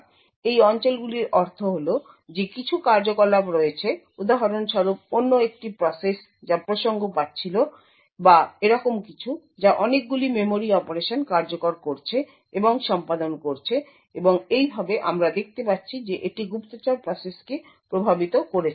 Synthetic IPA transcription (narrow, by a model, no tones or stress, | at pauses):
ejɔnt͡ɕolɡuliɾɔɾt̪ʰoɦolo | d͡ʑekit͡ɕʰukaɾd͡ʑokolabɾoet͡ɕʰe | ud̪aɦɔɾonʃɔɾop̚onːoek̚ʈipɾɔses | d͡ʑapɾoʃoŋɡopatːɕʰilo | baeɾɔkomkit͡ɕʰu | d͡ʑaʔɔnek̚ɡulimemoɾiɔpoɾeʃonkaɾd͡ʑokoɾkoɾt͡ɕʰe | eboŋʃɔmpad̪onkoɾt͡ɕʰe | eboŋejbʱabeʔamɾad̪ek̚ʰt̪epat̪ːɕʰid͡ʑeʔeʈiɡupt̪ot͡ɕaɾpɾɔseske | pɾobʱabit̪okoɾet͡ɕʰ